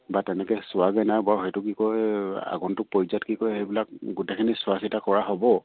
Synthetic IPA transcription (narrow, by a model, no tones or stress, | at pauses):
batɛnɛkɛsʊwaɡajnajbɔɹxejtʊkikɔja̰ɡɔntʊk̚pɔjzatkikɔjxejbilak̚ɡutekʰinisʊasitakɔɹaɦɔbɔ